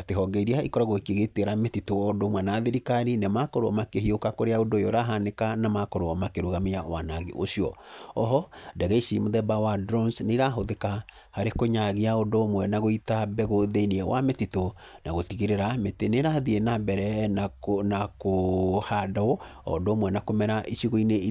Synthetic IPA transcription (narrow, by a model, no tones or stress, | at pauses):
ateɦɔɡɛiɾiaikɔɾaɣokiɣeteɾametitoɔdomwɛnaðeɾikaninemakɔɾoɔmakehiokakoɾeaodojoɾaɦanekanamakɔɾoɔmakeɾoɣamejawanaɣḛʔoʃiɔ̰ɔɦɔdɛɣɛiʃimoðɛbawadɾɔnsneiɾaɦoðeka | haɾekoɲaɣiaodomwɛnaɣoitabɛɣoðeiniɛwʔa̰metito | naɣotiɣeɾeɾameteneɾaðienabɛɾɛ | nakohadɔɔɔ̰doːmwɛnakomɛɾaʔiʃiɣoine